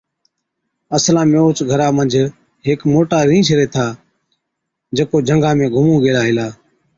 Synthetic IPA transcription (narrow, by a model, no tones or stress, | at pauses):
əslãːmoːt͡ʃɡʱəɾaːmənd͡ʒʱ | ɦeːkmoːʈaːɾĩːt͡ʃʰəɾeːt̪ʰaː | d͡ʒəkoːd͡ʒʱəŋɡãːmẽːɡʱʊmũːɡeːlaːɦɪlaː